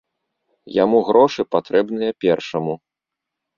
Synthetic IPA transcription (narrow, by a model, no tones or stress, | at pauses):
jamuɣɾɔʂɨpat̪ɾɛbnɨjɐpʲɛrʂɐmu